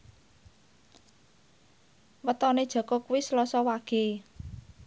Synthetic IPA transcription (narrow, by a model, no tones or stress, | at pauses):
wət̪ɔned̥ʒ̥ɔ̤kɔkuwislɔsɔwaɡ̥e